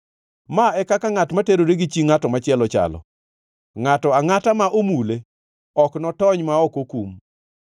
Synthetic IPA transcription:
maɛkakaŋatmateɾoɾeɡit͡ʃiŋatɔmat͡ʃɪɛlɔt͡ʃa̰lɔ̰ | ŋatɔaŋatamaʔomule | ɔknɔtɔɲmaɔkokum

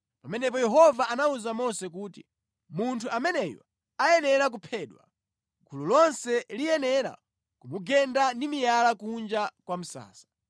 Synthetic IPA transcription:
pamɛnɛpɔjɛɦɔvaʔanauzamɔsɛk̬uːtḭ | muntʰuamɛnɛjɔ̰ | ajɛnɛɾak̬upʰɛːɗwa̰ | ɡululɔnsɛlijɛnɛɾa̰ | kumuɡɛndandimijalakund͡ʒakwam̩sa̰ːsḁ

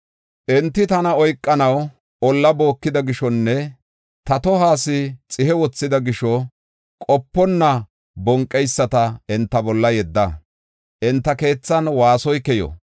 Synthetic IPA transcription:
ʔɛnt̪ːɪt̪ɐnɐɔjkʼːɐnɐw | ɔlːɐbo̞ːkːɪd̪ɐɡɪʃɔnːɛ | t̪ɐt̪ɔɦaːsɪt͡sʼɪhɛwɔt͡sːɪd̪ɐɡɪʃɔ | kʼɔpːɔnːɐ | bɔŋkʼːɛjsːɐt̪ɐɛnt̪ːɐbɔlːɐjɛd̪ːɐ | ʔɛnt̪ːɐke̞ːt͡sːɐnwaːsɔjkɛjɔ̰

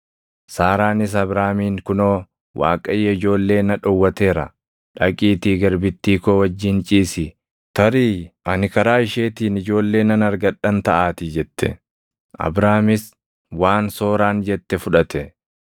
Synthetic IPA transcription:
saːɾaːnɪs̬ɐbɾaːmiːŋkʊnoː | wa̰ːkʼɐjːɐɪd͡ʒo̞ːlːe̞ːnɐᶑɔwːɐt̪eːɾɐ̰ | ᶑɐkʼiːt̪iːɡɐɾbɪt̪ːiːkoːwɐd͡ʒːɪnt͡ʃʼiːsɪ | t̪ɐɾiːɐnɪkɐɾaːɪʃe̞ːt̪iːnɪd͡ʒo̞ːlːe̞ːnɐnɐɾɡɐᶑɐnt̪ɐʔaːt̪ɪd͡ʒɛt̪ːɛ̰ | ʔɐ̰bɾaːmɪs | waːnso̞ːɾaːnd͡ʒɛt̪ːɛfʊᶑɐt̪ɛ

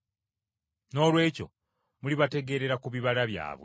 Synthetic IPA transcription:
no̞ːlwe̞ːco̞̰ | muliβate̞ɡe̞ɾe̞ɾakuβiβalaβja̰ːβwe

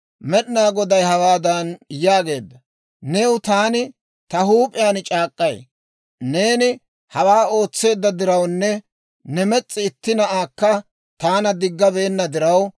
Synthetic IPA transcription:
mɛɗɪnaːɡɔd̪ɐjhɐwaːd̪ɐnjaːɡe̞ːd̪ːɐ | neːwʊt̪aːnɪ | t̪ɐɦuːpʼɪjaːnt͡ʃʼaːkʼːɐj | ne̞ːnɪ | hɐwaːo̞ːt͡sːe̞ːd̪ːɐd̪ɪɾɐwnːɛ | nɛmɛt͡sʼːɪːt̪ːɪnɐʔaːkːɐ | t̪aːnɐd̪ɪɡːɐbe̞ːnːɐd̪ɪɾɐw

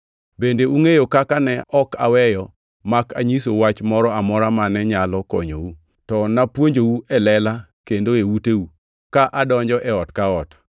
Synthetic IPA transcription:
bendeuŋejokakanɛɔka̰wɛjɔ | makaɲisowat͡ʃmɔɾɔamɔɾamanɛɲalɔkɔ̰ɲo̰wu | tɔnapwoɲd͡ʒowuɛlɛla | kendoewuteu | kaʔadɔɲd͡ʒɔʔɛɔtkaɔt

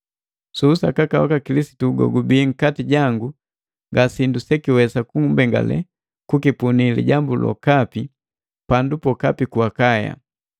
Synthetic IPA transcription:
suːsakakawakakilisi̥tuːɡɔ̰ɡubiːŋ̩katiɟaŋɡu | ŋɡasindusɛkiwɛsakuŋumbɛŋɡa̰lɛ̰ | kukipunilḭɟambulɔ̰kapi | pandupɔkapikuakaja̰

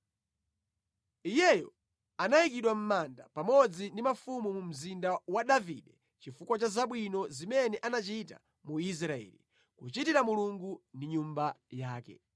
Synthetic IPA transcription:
ijɛjɔ̰ | anaik̬iɗwam̩mandapamɔd͡zindimafumumum̩zindawaɗavḭɗɛ | t͡ʃifukwat͡ʃazaɓwinɔzimɛnɛʔanat͡ʃita̰ | muis̬ɾaɛ̰lḭ | kut͡ʃitiɾamuluŋɡundiɲumbajaːkɛ̰

